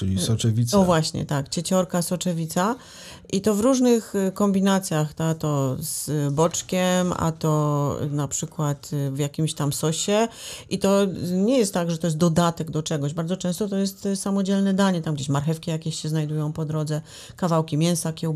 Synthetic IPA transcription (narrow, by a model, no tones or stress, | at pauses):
t͡ʂɨlʲisɔt͡ʂɛvʲisavwaɕɲɛ̰t̪akt͡ɕɛt͡ɕɔɾkasɔt͡ʂɛvʲit̪sa | ʔit̪ɔvɾuʐnɘxkɔmbʲinat̪sʲjaxt̪at̪ɔz̥bɔt͡ʂkʲɛma̰t̪ɔ̰napʂɘkwat̪vjakʲimɕt̪amsɔɕɛit̪ɔɲɛjɛst̪ːaɡʐɛt̪ɔjɛst̪d̪ɔd̪at̪ɛɡd̪ɔt͡ʂɛɡɔʑbaɾd̪zɔt͡ʂɛ̃w̃st̪ɔt̪ɔjɛst̪samɔd͡ʑɛlnɛd̪aɲɛt̪amɡd͡ʑeɕmaɾxɛfkʲijakʲeɕɕːɛznajd̪ujɔ̃w̃pɔd̪ɾɔd̪zɛ | kavawkʲimʲjɛ̃w̃sakʲɛw